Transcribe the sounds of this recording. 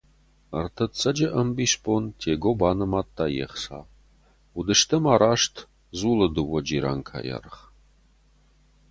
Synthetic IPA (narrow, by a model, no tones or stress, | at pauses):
ɐrt̪ʰɐt͡sʰʼɐd͡ʒɐʔɐmbispʰont̪ʰeːɡobaːnɐmat̪ːajḛχsa̰ | ud̪ɨʂt̪ʰɐmaːɾaːʂt̪ʰ | zuləd̪ɨwɐd͡ʒiɾa̰ŋkʰa̰ja̰rχ